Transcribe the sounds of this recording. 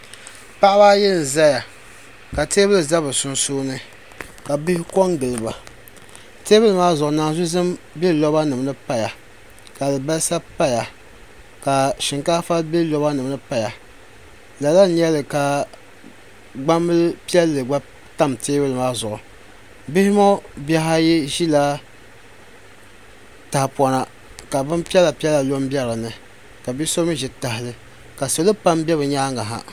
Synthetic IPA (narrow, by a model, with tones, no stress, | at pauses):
pa˦ʔa˦ba˦jɛ˦ln˨za˦ja˨ | ka˨te˦bɨ˦lɨ˨za˦βɨ˨sʊ˦nsoː˦nɨ˦ | ka˨bi˦hɪ˦ko˦ŋɡɨ˨lɨ˨ba˨ | te˦bɨ˦lɨ˨maː˦zʊ˨ʔʊ˨naː˨zʊ˦zɨ˦mbɛ˦lɔ˦ba˦nɨ˨m˨nɨ˦pa˦ja˨ | ka˨dɨ˨ba˦lsa˦pa˦ja˨ | ka˨ʃɪ˨ŋka˦fa˦lbɛ˦lɔ˦ba˦nɨ˨m˦nɨ˦pa˦ja˨ | la˨la˦ɲɛ˦lɨ˨ka˨ | ɡ͡ba˦mːɨ˦lpi˦ɛ˦lːɨ˨ɡ͡ba˦ | ta˦˨mteː˦bɨ˦lɨ˨maː˦zʊ˨ʔʊ˨ | bɪ˦hɪ˦mo˦bɛ˦ɦa˦jɛ˦ʒi˦la˦ | ta˨hpɔ˨na˨ | ka˨bɨ˦mpi˦ɛ˦la˨pi˦ɛ˦la˨lo˦m˦bɛ˦ɾɨ˨nɨ˨ | ka˨bi˦so˦ɨ˦ʒɛ˨ta˨hɪ˨lɨ˦ | ka˨so˨lɨ˦pa˦mbɛ˦bɨ˨ɲaː˦ŋa˨ɦa̰˨